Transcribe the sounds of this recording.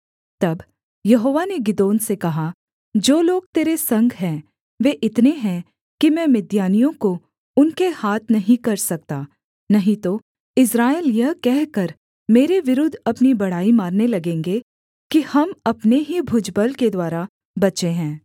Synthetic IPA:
t̪ɐb | jɐɦoːʋaneɡɪd̪oːnsekɐɦa | d͡ʒoːloːɡ̚t̪eːɾesɐ̃ŋɡʱɦɛ̃ː | ʋeʔɪt̪neɦɛ̃ | kimɛ̃ːmɪd̪jaːnijõko | ʊnkehaːt̪ʰnɐɦĩkɐɾsɐk̚t̪aː | nɐɦĩt̪o | ɪs̬ɾaːeljɐɦkɛɦkɐɾ | meːɾeʋɪɾʊd̪ʱɐpnibɐɽ̤aːimaːɾnelɐɡẽːŋɡe | kihɐmɐpneɦibʱʊd͡ʒbəlked̪waːɾa | bɐt͡ʃeɦɛ̃ː

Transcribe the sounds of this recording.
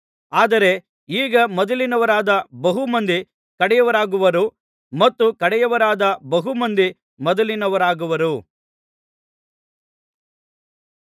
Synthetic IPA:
aːd̪ɐɾe̞ | iːɡɐmɔd̪ɐlinɐʋɐɾaːd̪ɐbɐɦumɐnd̪i | kɐɽɛjɐʋɐɾaːɡuʋɐɾu | mɐt̪ːukɐɽɛjɐʋɐɾaːd̪ɐbɐɦumɐnd̪i | mɔd̪ɐlinɐʋɐɾaːɡuʋɐɾu

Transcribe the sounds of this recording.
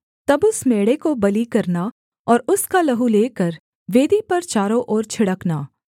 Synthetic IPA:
t̪ɐbʊsmeːɽekobɐlikɐɾna | ɔːɾʊskalɐɦuleːkɐɾ | ʋeːd̪ipɐɾt͡ʃaːɾoʔɔːɾt͡ʃʰɪɽəknaː

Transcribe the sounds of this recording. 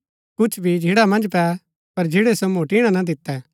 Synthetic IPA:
kʊt͡ʃʰbʱid͡ʒʱeːɽamɐ̃nd͡ʒpɛ | pɐɾd͡ʒeːɽesomoːʈiɽ̃ãnad̪ɪt̪ːɛ

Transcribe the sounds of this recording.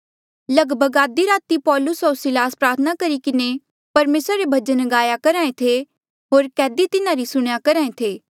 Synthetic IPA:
lɐɡbʱəɡaːd̪iɾaːt̪ipɔːlʊsɦoːɾsɪlaːspɾaːɾt̪ʰənakɐɾikɪne | pɐɾmeːsɾɾebʱɐd͡ʒənɡaːjakɐɾaːẽt̪ʰe | ɦoːɾkɛːd̪it̪ɪnãɾisʊɽ̃jakɐɾaːẽt̪ʰeː

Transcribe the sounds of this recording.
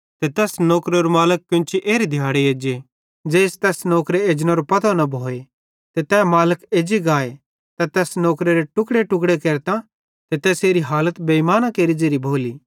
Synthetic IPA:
t̪et̪ɛːsnɔːkɾeɔɾmaːləkːʊ̃nt͡ʃʰiʔeːɾid̪ʱjaːɽeeːd͡ʒe | d͡ʒeːst̪ɛːsnɔːkɾeeːd͡ʒñaɾopɐt̪ʰanɐbʱoːe | t̪et̪ɛːmaːləkeːd͡ʒiɡaːe | t̪ɛt̪ɛːsnɔːkɾeɾeʈʊkɽeʈʊkɽekeːɾt̪ã | t̪et̪ɛːseːɾiɦaːlət̪beimaːnãkeːɾid͡ʒeːɾibʱoːliː

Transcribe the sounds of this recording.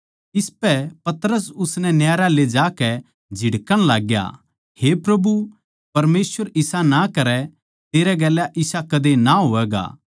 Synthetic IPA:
ɪspɛpɐt̪ɾəs̬ʊsnɛnjaːɾaled͡ʒaːkɛ | d͡ʒʱɪɽkəɽ̃laːɡja̰ | hepɾɐbu | pɐɾmeːsʋəɾɪsanakɐɾɛ | t̪eːɾɛɡɛːlːaʔɪsakɐd̪enaɦoːɛːɡa̰ː

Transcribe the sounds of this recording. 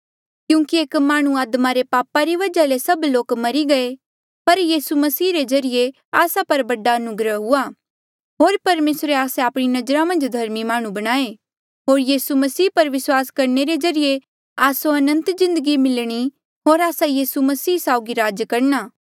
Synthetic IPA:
kjũːkieːkmaːɽ̃ũaːd̪maɾepaːpaɾiʋɐd͡ʒalesɐbloːkmɐɾiɡɐe | pɐɾjiːsumɐsiːɾezɐɾije | aːsapɐɾbɐɖaɐnʊɡɾəɦɦʊaː | ɦoːɾpɐɾmeːsɾeaːsẽaːpɽ̃inɐd͡ʒɾamɐ̃nd͡ʒd̪ʱɐɾmimaːɽ̃ũbɐɽ̃aːe | ɦoːɾjiːsumɐsiːpɐɾʋɪswaːskɐɾɳeɾed͡ʒɐɾije | aːsoɐnə̃nt̪zɪ̃nd̪əɡimɪlɽ̃i | ɦoːɾaːsajiːsumɐsiːsaːʊɡiɾaːd͡ʒkɐɾnaː

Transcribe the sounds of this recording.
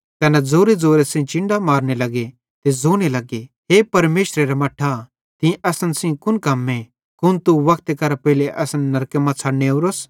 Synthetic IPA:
kɐnɛd͡zoːɾed͡zoːɾesɪ̃t͡ʃɪ̃ɳɖamaːɾñelɐɡe | t̪ed͡zoːñelɐɡe | ɦepɐɾmeːʃɾeɾamɐʈʰːa | t̪ɪ̃ʔɐsənsĩkʊnkɐmːe | kʊnt̪uʋɐkʰt̪ekɐɾapɛɦɪleʔɐsənːɐɾkemãt͡sʰɐɽneoːɾos

